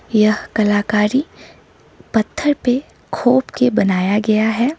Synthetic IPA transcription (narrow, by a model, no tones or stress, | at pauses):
jɐɦkɐlaːkaːɾi | pɐt̪ʰːəɾpe | kʰoːpkebɐnaːjaɡɐjaɦɛː